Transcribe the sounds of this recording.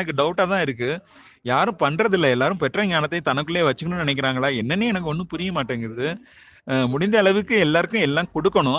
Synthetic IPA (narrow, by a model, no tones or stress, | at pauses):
nɐk̬ːɯɖɐʊʈːaːt̪ãːɪɾɯkːɯ | jaːɾɯ̃pɐɳːɾɐðɪlːɐɛlːaːɾɯ̃pɛʈːrɐɲaːnɐt̪ːɐɪt̪ɐnɐkːɯɭːeːʋɐt͡ʃːɯkːɐnɯ̃nɪnɛkːɪɾaːŋɡɐɭaːɛnːɐnːeːɛnɐk̬ːɯɔnːɯpʊɾɪjɐmaːʈːeːŋɡɐɾɐðɯ | mʊɽɪnd̪ɐːɭɐʋɯkːɯɛlːaːɾɯkːʊ̃ɛlːãːkɔɽɯkːɐɳʊ̃